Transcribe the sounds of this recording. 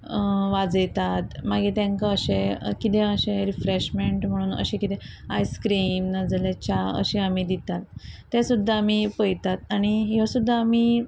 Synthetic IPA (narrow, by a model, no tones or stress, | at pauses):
ʋad͡zjt̪at̪maɡit̪jãŋkaəɕẽkit̪ẽəɕẽɾifɾeɕmeɳʈm̤əɽ̃uːnə̰ɕẽkit̪ẽa̰jskɾimnad͡zlat͡ɕaə̰ɕeamid̪it̪at̪ː | asud̪ʱːaamipəjt̪at̪aɽ̃iɦjosud̪ʱːaami